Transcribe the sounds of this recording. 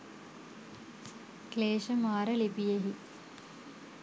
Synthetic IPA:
kleːʃəmaːɾəlipijeɦi

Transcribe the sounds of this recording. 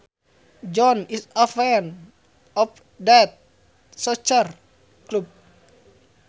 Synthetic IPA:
d͡ʒɔnisəfɛn | ɔf | dɛt̪̚ | sɔt͡ʃər | klup̚

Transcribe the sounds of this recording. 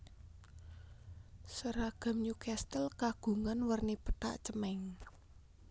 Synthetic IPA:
səɾaɡ̥a̤mɲukast̪əlkaɡ̥ṳŋanwərnipəʈa̰ʔt͡ʃəmɛŋ

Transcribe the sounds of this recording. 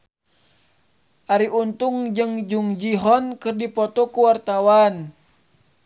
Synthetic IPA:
ʔaɾiʔunt̪uŋd͡ʒɨŋd͡ʒuŋd͡ʒiɦɔnkərdipɔt̪ɔkuwart̪awan

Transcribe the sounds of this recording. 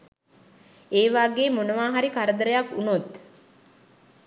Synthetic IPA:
eːʋaːɡeːmonəʋaːɦaɾikaɾəd̪əɾəjakunut̪

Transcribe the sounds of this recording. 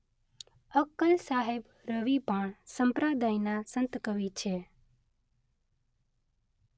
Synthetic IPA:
əkəlsaɦeb | ɾəʋipəɳsəmpɾad̪ajnasə̃nt̪kəʋit͡ʃʰe

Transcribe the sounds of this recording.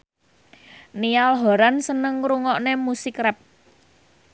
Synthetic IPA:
nijalɦɔ̤ɾansənəŋɾuŋɔʔnemusikɾɛp̚

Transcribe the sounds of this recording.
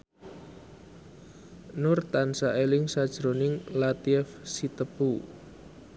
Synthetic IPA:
nʊrt̪ansaʔelɪŋsad̥ʒ̥ɾonɪŋlat̪iɛfsit̪əpu

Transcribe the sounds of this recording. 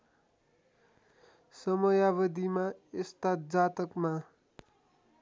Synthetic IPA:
sʌmʌjaβʌd̪imaest̪ad͡zat̪ʌkma

